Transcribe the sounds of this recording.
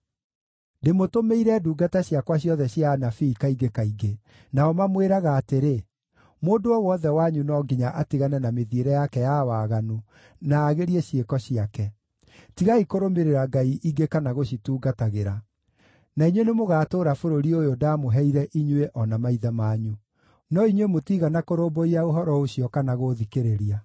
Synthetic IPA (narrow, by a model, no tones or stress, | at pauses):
demotomeiɾɛduːɡataɕjakwaɕjɔðɛɕjanafiːkaiɡekaiɡe | naɔmamweɾaɣaːteɾe | moːdoɔwɔðɛwaɲunɔɡiɲaʔatiɣanɛnameðieɾɛjakɛjawaːɣanu | naːɣeɾieɕekɔɕiakɛ | tiɣaikoɾomeɾeɾaɡaiʔiɡekanaɣoɕituːɡataɣeɾa | naiɲwenemoɣaːtoːɾafoɾoɾiojodaːmoɦɛiɾɛʔiɲweʔɔnamaiðamaɲu | nɔiɲwemotiɣanakoɾoːmboiaoɦɔɾɔoɕiɔkanaɣoðikeɾeɾia